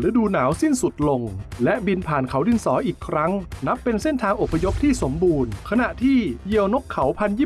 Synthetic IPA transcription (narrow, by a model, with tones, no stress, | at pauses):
lɯː˨˦˥duː˧naː˩˦wsi˥˩nsu˨˩t̪̚lo˧ŋlɛ˦˥ʔbi˧npʰaː˨˩nkʰa˩˦wdi˧nsɔː˩˦ʔiː˨˩kʰɾa˦˥ŋna˦˥pːe˧nse˥˩nt̪ʰaː˧ŋʔo˨˩pʰːa˧jo˦˥p̚t̪ʰiː˥˩so˩˦mbuː˧nkʰa˧na˨˩ʔt̪ʰiː˥˩ji˧əwno˦˥kʰːa˩˦wpʰa˧njiː˥˩